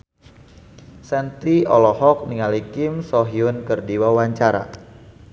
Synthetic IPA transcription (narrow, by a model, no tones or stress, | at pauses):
sɛnt̪iɔlɔhɔk̚niŋalikɪmsɔɦiʊnkərdiwawaɲt͡ʃaɾa̰